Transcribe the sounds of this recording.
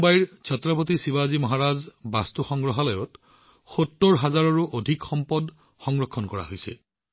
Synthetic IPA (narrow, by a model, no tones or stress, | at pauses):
bajɹt͡ʃʰɔtɹɔpotisiβazimɔɦaɹazbastuxɔŋɡɹɔɦalɔjɔt | xotːoɹɦazaɹɔɹuʔodʱikxɔmpɔd | xɔŋɡɹɔkʰːɔnkɔɹa̰ɦojsɛ̰